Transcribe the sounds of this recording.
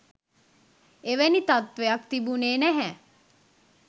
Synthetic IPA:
eʋenit̪at̪ʋeɐkt̪ibuneːnɛɦɛ

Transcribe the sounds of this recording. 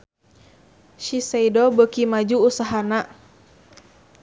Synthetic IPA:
ʃisaidɔbəkimad͡ʒuːsaɦana

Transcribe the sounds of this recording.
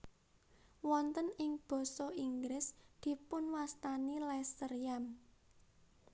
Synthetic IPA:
wɔnt̪ənɪŋb̥ɔ̤sɔiŋɡɾɪsd̪̥i̤pʊnwast̪anilɛsərjam

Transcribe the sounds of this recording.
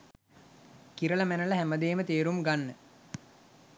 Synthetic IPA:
kiɾələmænələɦæməd̪eːmət̪eːɾumɡanːə

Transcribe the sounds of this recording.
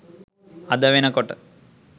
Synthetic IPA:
ɐd̪ɐʋenɐkoʈː

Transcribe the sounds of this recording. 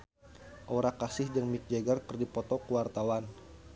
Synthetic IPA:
ʔoɾakasɪhd͡ʒəŋmik̚d͡ʒeɡarkərdipɔt̪ɔkəwart̪awan

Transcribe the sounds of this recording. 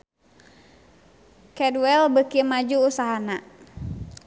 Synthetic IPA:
kɛdwɛlbəkimad͡ʒuːsaɦana

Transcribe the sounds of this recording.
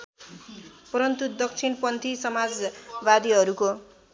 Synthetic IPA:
pʌɾʌnt̪ud̪ʌkt͡sʰinpʌnt̪ʰisʌmad͡zbad̪iɦʌɾuko

